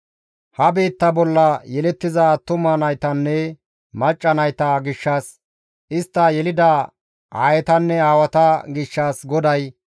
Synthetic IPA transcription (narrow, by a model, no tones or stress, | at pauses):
hɐbe̞ːt̪ːɐbɔlːɐjɛlɛt̪ːɪzɐt̪ʊmɐnɐjt̪ɐnːɛ | mɐt͡ʃʼːɐnɐjt̪ɐɡɪʃːɐs | ʔɪst̪ːɐjɛlɪd̪ɐ | ʔa̰ːjɛt̪ɐnːɛaːwɐt̪ɐɡɪʃːɐːsɡɔd̪ɐj